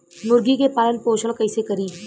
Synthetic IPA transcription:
nʊɾɡikepaːlənpoːʃəɽ̃kɐɪsekɐɾiː

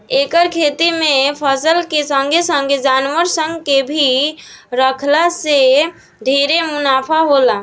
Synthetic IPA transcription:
ekəɾkʰet̪imepʰəsəlkesəŋɡʱesəŋɡʱed͡ʒanʋəɾsə̃ŋɡkebʱiɾəkʰlase | ɖʱeɾemunapʰaɦola

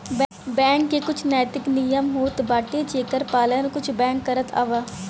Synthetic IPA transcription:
b | bɛ̃ːŋkːekʊt͡ʃʰnaːt̪ɪknijəmɦoːt̪baːʈet͡ʃeːkəɾpaːlənkʊt͡ʃʰbɛ̃ːŋkːəɾət̪ʰa̰ːʋaː

